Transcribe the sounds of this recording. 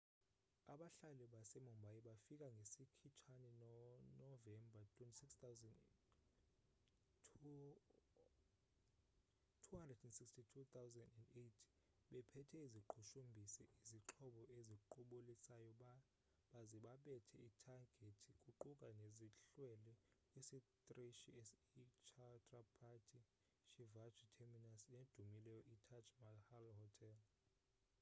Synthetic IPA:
aɓaɬalɛɓasɛmɔmbʱajiɓafik̬ʼaŋɡʱesikʰit͡ʃʰanɛnnɔvɛmbʱatʰwɛntʼisikswzɛn | tʰuhandrɛdɛndsikstʰitʰut̪ʰawzɛndɛndetʰi̥ | ɓɛpʰɛtʰɛiziǃʰuʃumbʱisɛʔiziǁʰɔɓɔʔeziǃuɓulisajɔɓa | ɓaziɓaɓɛtʰɛitʰaɡ̥ʱetʰikʼuǃukʼaneziɬwɛlɛ | isit̪ʼriʃiɛsit͡ʃʰatʰʼrapʰatʰi | ʃivad͡ʒʱitʰɛminasned̥ʱumilɛjɔʔitʰat͡ʃʼmahalhɔtʰɛl

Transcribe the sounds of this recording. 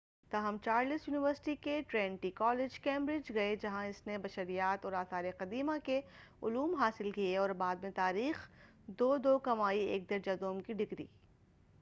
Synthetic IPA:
t̪aɦəmt͡ʃaːɾlɪsjuːnɪʋəɾsʈikeʈɾɛ̃ːɳʈikɔːlɪd͡ʒkẽːmbɾɪd͡ʒɡɐed͡ʒɐɦãɪsnebɐʃəɾijaːt̪ɔːɾaːsaːɾeqɐd̪iːmake | ʊluːmɦaːsɪlkieɔːɾbaːd̪mẽt̪aːɾiːx | d̪oːd̪oːkɐmaːieːk̚d̪ɐɾd͡ʒɐd̪õːmkiɖɪɡɾḭː

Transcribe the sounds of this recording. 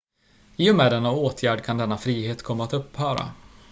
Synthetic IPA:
ɪːɔmɛːd̪ɛnːaoːt̪ʰjæːɖkʰand̪ɛnːafɾiːɦeːt̪kʰɔmːaːt̪ɵpːhœːɾa̰

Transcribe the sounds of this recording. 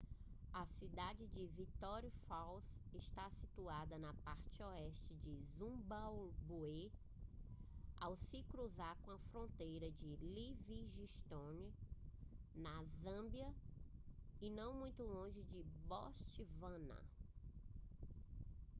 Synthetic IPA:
ɐsid̪ad͡ʒɪd͡ʒɪvit̪ɔɾjufawsɪʃt̪asit̪uad̪ɐnɐpaɾt͡ʃɪɔɛʃt͡ʃɪd͡ʒɪzũbawbue | awsɪkɾuzaɾkõɐfɾõnt̪ejɾɐd͡ʒɪliviʒiʃt̪õni | nɐzɐ̃bjɐ | ɪnɐ̃w̃mũj̃t̪ʊlõʒɪd͡ʒɪbɔst͡ʃivɐ̃nɐ̰

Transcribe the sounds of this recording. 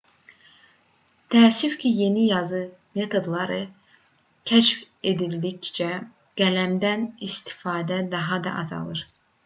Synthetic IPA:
t̪ʰæːsyfcʰije̞nijɑzɯ | me̞t̪ʰo̞d̪lˠɑɾɯ | cʰæʃf | e̞d̪ilːict͡ʃæ | ɡ̥ælæmd̪ænist̪ʰi̥fɑːd̪æd̪ɑɦɑd̪ɑ̰ʔɑzɑ̰lˠɯɾ̥

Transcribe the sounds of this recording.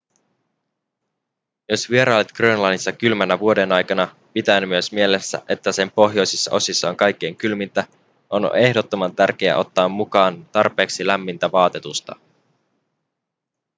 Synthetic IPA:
jo̞sʋie̞ɾʔɑːlet̪krøːnlɑnːisːɑkylmænːæʋuo̞de̞nɑjkɑnɑ | pit̪ænmyøsmie̞le̞sːæ̰ʔe̞t̪ːæse̞mpo̞ɦjo̞jsisːɑ̰ʔo̞sisːɑoŋkɑjk̟ːeːŋkylmint̪æ | ʔo̞n̰e̞hdo̞t̪ːo̞mɑnt̪ærk̟eæ̰ʔo̞t̪ːɑːmːukɑːnt̪ɑrpe̞ːksilæmːint̪æʋɑːt̪e̞t̪ust̪ɑ̰

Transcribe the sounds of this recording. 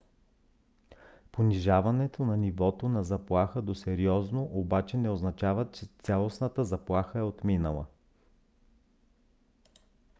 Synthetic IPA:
poniʒavɐnɛt̪onɐnivɔt̪onɐzɐplˠaxəd̪osɛɾiɔznoʔobat͡ʃɛnɛoznɐt͡ʃavət̪̚t͡ʃɛt̪sʲalˠosnət̪əzɐplˠaxəɛot̪minəlˠə̰

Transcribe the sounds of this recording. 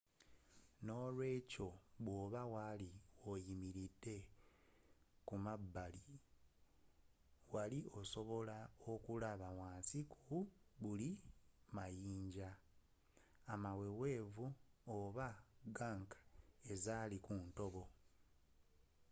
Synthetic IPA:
no̞ːlwe̞ːco̞βwoːβawaliwojimiɾidːe̞ | kumabːali | walio̞so̞βo̞lao̞kulaβawaːnsikʰuβulimajiːɲɟa | mawe̞we̞ːvuoβaɡaŋkḁezaːlikunto̞βo̞

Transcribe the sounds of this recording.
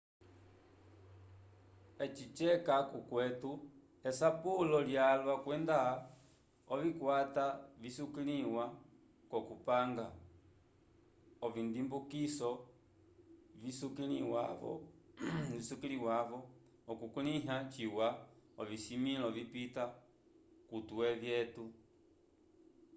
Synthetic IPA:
ɛt͡ʃit͡ʃɛkakukwɛtu | ɛsapulɔljalwakwɛnda | ɔvikwatavisukiliwa | kɔkupaŋɡa | ɔvindimbukisɔ | visukiliwavɔ̰ | isukiliwavɔː | kukuniɦat͡ʃiwaɔvisimilɔvipita | kutuɛvjɛtu

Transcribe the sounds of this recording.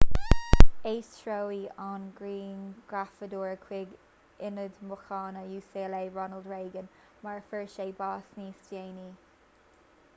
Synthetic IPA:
eːstʰɹowianɡɹiːnɡ̥ɹafəd̪uːɹəkʰwɪɡ | ɪnəd̪mʊxɑːnəjuːseːleːɹɔnəldɹeːɡən | maɹfəɹʃeːbɑːsniːsdeːni

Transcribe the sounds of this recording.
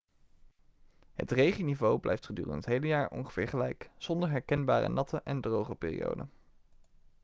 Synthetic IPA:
ɦə̰trejχinivowblʔɛ̰jftχədy̰ːrə̰nətɦejləjaːɹɔ̰nχəvɪːɹχəlɛjkz̥ɔndəɹɦɛɹkɛnbaːrə̰nɑtʰəʔɛndrowχəpɪːrḭjo̰wdə̰n

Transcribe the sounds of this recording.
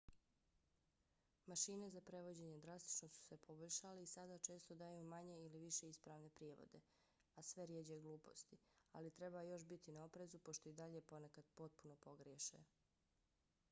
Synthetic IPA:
maʃiːne̞zapɾe̞ʋo̞d͡ʑe̞ɲe̞d̪ɾast̪i̥t͡ʃnosu̥se̞pʰo̞boʎʲʃaleisad̪aːt͡ʃe̞ːst̪od̪ajumaɲe̞iliʋiʃe̞ispɾaːʋne̞pɾjeːʋo̞̰d̪e̞ | asʋe̞ɾjed͡ʑeɡlˠuːpo̞̰st̪ialit̪ɾe̞bajo̞ʃbit̪inao̞pɾe̞zupo̞ʃt̪o̞id̪aʎe̞po̞nekad̪̥po̞t̪̚puno̞po̞ɡɾjeʃḛ

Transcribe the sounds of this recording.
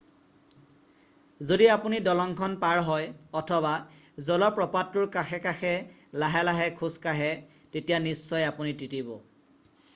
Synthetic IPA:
zodiapunidɔlɔŋkʰɔnpaɹɦɔjɔtʰɔbazɔlɔpɹɔpatːuɹkaxʰɛkaxɛlaɦɛlaɦɛkʰuskaɦɛ | tetijanisːɔjapunititibɔ

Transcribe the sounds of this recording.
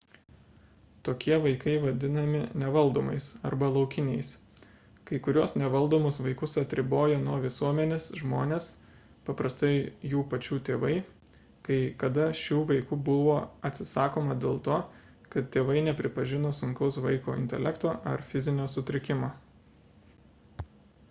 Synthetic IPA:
t̪oːkʲiɛʋɐɪkɐɪʋɐd̪ʲɪnɐmʲɪnʲɛʋɐlˠd̪oːmɐɪsɐɾbɐlˠɒʊkʲɪnʲɛɪs | kɐɪkʊɾʲuɔsnʲɛʋɐlˠd̪oːmʊsʋɐɪkʊsɐt̪ʲɾʲɪboːjoːnuɔʋʲɪsuɔmʲɛnʲeːsʒmoːnʲeːs | pɐpɾɐst̪ɐɪjuːpɐt͡ʃʲuːt̪ʲeːʋɐɪ | kɐɪkɐd̪ɐʃʲuːʋɐɪkuːbʊʋoːɐt̪ʲsʲɪsɑːkoːmɐd̪ʲeːlˠt̪oː | kɐt̪tʲeːʋɐɪnʲɛpʲɾʲɪpɐʒʲɪnoːsʊŋʲkʲɛʊsʋɐɪko̰ːɪ̰nʲt̪ʲɛ̰lʲɛkt̪oːʔɐɾfʲɪzʲɪnʲoːsʊt̪ʲɾʲɪkʲɪmoː

